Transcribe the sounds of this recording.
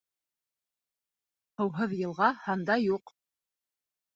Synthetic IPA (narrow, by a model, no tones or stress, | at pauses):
hɤ̆wɦɤðjɤ̆lˠʁɑhɑnd̪ɑjuq